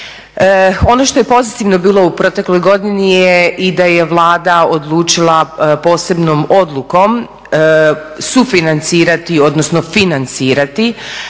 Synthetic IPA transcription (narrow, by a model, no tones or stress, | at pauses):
o̞no̞ʃt̪o̞jepo̞zit̪iʋno̞biːlˠo̞upɾo̞t̪e̞klo̞jɡo̞d̪inijeʔid̪aje̞ʋlˠaːd̪ao̞d̪lˠuːt͡ʃilˠapo̞ːse̞bnomo̞d̪lˠuko̞m | sufinant̪siːɾat̪io̞d̪no̞sno̞finant̪siːɾat̪i